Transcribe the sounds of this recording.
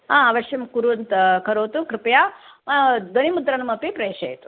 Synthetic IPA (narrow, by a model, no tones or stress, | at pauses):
ɦãːaʋɐʃjɐmkuɾuʋɐnt̪ɐkɐɾoːt̪ukɾɪpɐjaː | d̪ɐnimud̪ɾɐnɐmɐpipɾɐeːʂɐ̰et̪u̥